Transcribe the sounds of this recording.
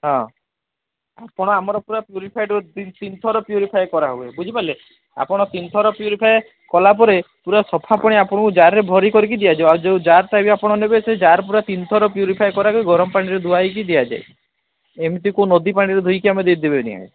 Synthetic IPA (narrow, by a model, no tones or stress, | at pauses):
ɦɔ̃ | apɔɽ̃ɔamɔɾɔpuɾapjuɾipʰajɖɔd̪it̪int̪ʰɔɾɔpjuɾipʰajkɔɾaɦuebud͡ʒʱipale | a̰pɔɽ̃ɔt̪int̪ʰɔɾɔpjuɾipʰaj | kɔlapɔɾepuɾasɔpʰapɔɽ̃iapɔɽ̃ɔkũd͡ʒaɾːebʱɔɾikɔɾik̬id̪ijad͡ʒawad͡ʒewd͡ʒaɾt̪abiapɔɽ̃ɔnebesed͡ʒaɾp̬uɾat̪int̪ʰɔɾɔpjuɾipʰajkɔɾakɔɡɔɾɔmɔpaɽ̃iɾed̪ʱuajk̬id̪ijad͡ʒa̰e | emit̪ikõnod̪ipaɽ̃iɾed̪ʱujkiamed̪ed̪ebenḭa̰ḛ